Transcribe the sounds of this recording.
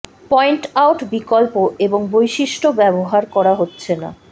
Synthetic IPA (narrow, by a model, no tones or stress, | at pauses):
pɔjɳʈawʈbikolpoʔeboŋbojʃiʃʈʰobɛboɦaɾkɔɾaɦotːɕʰena̰